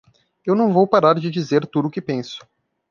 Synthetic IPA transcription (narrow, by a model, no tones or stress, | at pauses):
ewnɐ̃w̃vowpaɾaɾd͡ʒɪd͡ʒizeɾt̪ud̪ʊːkɪpẽsʊ̥